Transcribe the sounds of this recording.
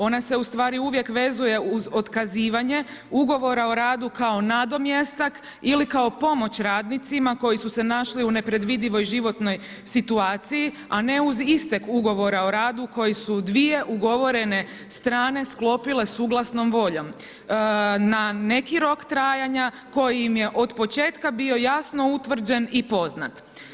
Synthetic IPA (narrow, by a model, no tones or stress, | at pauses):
o̞nase̞ust̪ʋaːɾiuʋje̞kʋe̞zuje̞uzo̞t̪kaziːʋaɲe̞ | uɡo̞ʋo̞ɾao̞ɾaːd̪ukao̞nad̪o̞mjest̪ak | ilikaopo̞mo̞t͡ɕɾaːd̪nit̪simako̞jisuse̞naʃliune̞pɾe̞d̪ʋid̪iʋo̞jʒiʋo̞t̪no̞j | sit̪uaːt̪siji | ane̞uzist̪eɡuɡo̞ʋo̞ɾao̞ɾaːd̪uko̞jisud̪ʋije̞ʔuɡo̞ʋo̞ɾe̞ne̞ | st̪ɾaːne̞sklo̞pile̞suːɡlˠasno̞mʋo̞ʎo̞m | nane̞kiɾo̞kt̪ɾaːjaɲa | ko̞jijimje̞ʔo̞d̪po̞t͡ʃe̞ːt̪kabio̞jasno̞ut̪ʋr̩d͡ʑe̞nipo̞znat̪